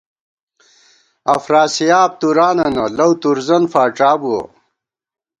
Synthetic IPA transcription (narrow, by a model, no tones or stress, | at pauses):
ɐfɾaːsijaːp̚t̪uɾaːnɐnɐlɐwt̪uɾzɐnfaːʈ͡ʂaːbuɐ̰